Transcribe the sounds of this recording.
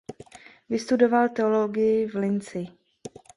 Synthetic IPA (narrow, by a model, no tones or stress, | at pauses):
vɪst̪udo̞valt̪ɛolo̞ɡɪjɪvlɪnt͡sɪ